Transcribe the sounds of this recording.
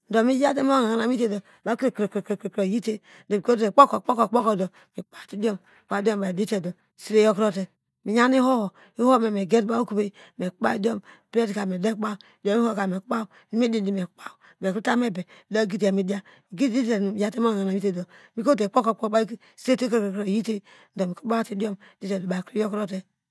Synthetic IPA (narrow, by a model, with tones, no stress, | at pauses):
n̩˨do˨mi˦d͡ʒa˦t̬e˦m˦o˦˨a˨ŋ˨na˨mi˦te˦do˨ | ba˨˦kɾkɾkɾkkɾkɾo˨ji˦te˦ | do˨mi˨ko˦te˨k͡po˦ko˨k͡po˦ko˨k͡po˦ko˨do˨ | mi˨˦k͡pa˦˨ti˦di˦o˦m˨k͡pa˦djo˦mba˨i˨di˦te˨do˨si˦ɾe˦jo˦kɾo˦te˨ | mi˨ɲa˦ni˦ho˦ho˨ | i˦ho˦me˨me˨ɡe˦tba˦o˦ku˦be˦me˨˦k͡pa˦djo˦m˨ | bɾe˦ti˨ka˨me˨de˦kk͡pa˦u˨do˦mi˦ho˦˨ka˨me˨kk͡pa˦u˨ | ni˦mi˦di˦di˨me˨kk͡pa˦u˨ | be˨kɾi˦ta˦me˦be˨do˦ɡi˦t̬a˨mi˦da˦mi˨ɡi˦di˦e˨n˨ja˦te˦mo˦˨na˨n˨mi˦te˨do˨mi˨ko˦t̬e˨k͡po˦ko˨k͡po˦ba˦ | se˦te˦kkkɾo˨ji˦te˦ | n̩˨do˨mi˨ku˦k͡pa˦ti˦di˦o˦m˨di˦te˨do˨a˨kɾi˦jo˦kɾo˦t̬e˦